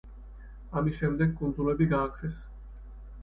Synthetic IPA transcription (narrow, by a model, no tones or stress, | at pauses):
amisʃɛmd̪ɛɡ̚kːʼund̪zulɛbiɡaːkʰɾɛs